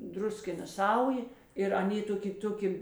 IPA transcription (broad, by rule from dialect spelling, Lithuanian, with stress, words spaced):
ˈdrʊsʲkʲɪnɐ ˈsɐʊjeː ɪr ɐˈnʲeː ˈtoːˌkʲɪ ˈtoːˌkʲɪ